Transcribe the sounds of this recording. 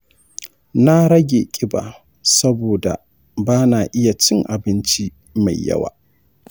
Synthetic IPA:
na˦ɽɐ˦ɡʲḛː˨kʲʼɪ˦ba̰ː˨ | sɐ˦boː˨da̰˨ | baː˦naː˨ʔɪ˦ja˨t͡ʃɪ˦ŋʔa˨bɪ˦nt͡ʃi˦ | ma˨jːɐ̰˦wa̰ː˨

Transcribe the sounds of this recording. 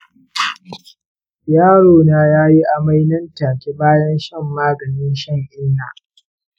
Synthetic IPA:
jaː˦ɽoː˨naː˦jaː˦ji˦ʔa˨ma˦jnɐ˦ntaː˨kʲi˦baː˦jɐ˦nʃɪ˦˨mːaː˦ɡɐ˨nɪ˦nʃɐ˦ŋʔɪː˦naː˨

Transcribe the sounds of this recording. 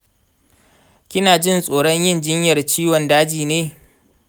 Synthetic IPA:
kʲɪ˦naː˨d͡ʒɪ˦˨nsʼoː˨ɽɔ˦ɲjɪ˦nd͡ʒɪ˦ɲjɐ˨rt͡ʃiː˦wɔ˨ndaː˦d͡ʒiː˨neː˦

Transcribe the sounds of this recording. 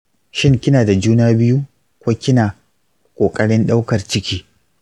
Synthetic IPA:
ʃɪ˦ŋkʲɪ˦naː˨da˨d͡ʒuː˦naː˦bɪ˦ju˦ | kʷoː˦kʲɪ˦naː˨ | kʷʼoː˨kʼɐ˦ɽɪ˦nɗa˦wkɐ˨rt͡ʃɪ˦kʲiː˦

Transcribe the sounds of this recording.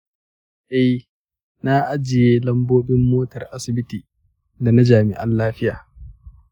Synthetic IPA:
ʔɛ˦j | na˦ʔa˦d͡ʒɪ˨jeː˦lɐ˦mboː˦bɪ˦mːoː˦tɐ˨rʔa˦sɪ˨bɪ˦tiː˨ | da˨na˦d͡ʒaː˨mɪ̰˨ʔa˦nlaː˦ɸɪ˦jaː˨

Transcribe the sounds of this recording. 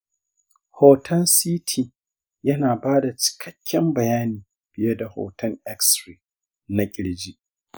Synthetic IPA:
hoː˨tʰɐ˦nsiː˦tʰiː˨ | jɐ˦naː˨baː˦da˨t͡ʃɪ̥˨kʰɐ˦kʲːɛ˦mbɐ˨jaː˦niː˨ | b̥ɪ˦˨je˦da˨ho̰ː˨tɐ˦ŋɛ˦ksɾeː˨ | na˦kʲʼɪ˨ɽd͡ʒi˦ʔ

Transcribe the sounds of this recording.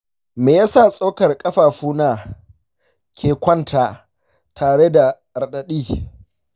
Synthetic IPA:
meː˨jaː˦sa˦˨sʼo˦kɐ˨rkʼɐ˦ɸaː˨ɸuː˦naː˨ | kʲʰeː˨kʷɐ˦ntʰaː˨ | tʰaː˨ɽe˦da˨ | ɐ˨rɗɐ˨ɗiː˦˨

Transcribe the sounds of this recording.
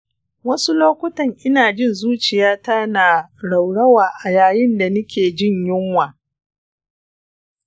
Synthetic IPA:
wɐ˦su˦loː˦kʷʊ˦tɐ˨ŋʔɪ˦naː˨d͡ʒɪ˦˨nzuː˦t͡ʃɪ˨jaː˦taː˦naː˨ɽa˨wɽɐ˦waː˨ʔa˨jaː˨jɪ˦nda˨nʊ˦kʲʰeː˨d͡ʒɪ˦˨ɲjɪ˦ŋwaː˨

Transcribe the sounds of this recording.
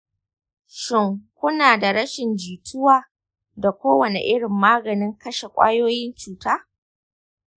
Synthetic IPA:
ʃɪ˦ŋkʷʊ˦naː˨da˨ɽɐ˦ʃɪ˨nd͡ʒiː˨tʰʊ˦waː˦ | da˨kʷoː˦wɐ˨nḛ˨ʔɪ˦ɽɪ˨mːaː˦ɡɐ˨nɪ˦ŋkɐ˦ʃe˨kʷʼa̰ː˦joː˦jɪ˦nt͡ʃuː˨taː˦

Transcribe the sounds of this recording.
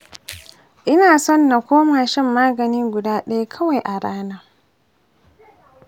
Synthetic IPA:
ʔɪ˦naː˨sɔ˦˨nːa˨kʷoː˦maː˨ʃɪ˦mːaː˦ɡɐ˨nɪ˦ŋɡʷʊ˨daː˦ɗɐ˦ja˦kʰɐ˦wa˨jʔa˨ɽaː˦naː˦

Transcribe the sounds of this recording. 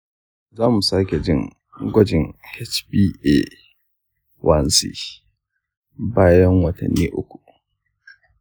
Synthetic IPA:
zaː˦mu˨saː˦kʲe˨d͡ʒɪ˦ŋ | ɡʷɔ˦d͡ʒɪ˦ŋhɛ˦t͡ʃbiː˦ʔe˦˨ | wʔɐ˦nsḭː˦ | baː˦jɐ˦ŋwɐ˦tɐ̰˨nːḭː˦ʔʊ̰˦kʷu̥˨

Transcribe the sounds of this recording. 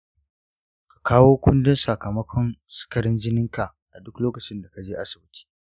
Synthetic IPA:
kḁ˨kʰaː˦woː˦kʷʊ˦ndɪ˦nsa˨kɐ˨mɐ˦kʷʰɔ˦nsɪ̥˦kɐ˨ɽɪ˦nd͡ʒɪ˦nɪ˦ŋka˨ | ʔa˨dʊ˦kloː˦kɐ˨t͡ʃɪ˦nda˨ka˨d͡ʒeː˦ʔa˦sɪ˨bɪ˦tʰi̥ː˦

